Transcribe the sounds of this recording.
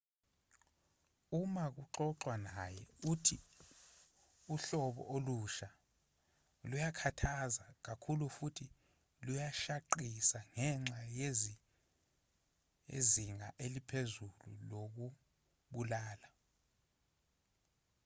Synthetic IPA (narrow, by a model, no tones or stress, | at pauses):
umak̬uǃɔǁwanajɛutʰi | uɬɔɓɔ̰ʔoluʃa | lujakʰatʰazak̬akʰulufutʰi | lujaʃaǃisaŋɛŋ͡ǁaje | ḛziŋaʔelipʰezulṵlok̬u | ɓulaːla